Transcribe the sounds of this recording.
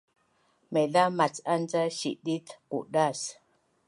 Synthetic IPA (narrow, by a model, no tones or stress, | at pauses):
meɮamat͡sand͡zaʃḭʔɗitkṵʔɗas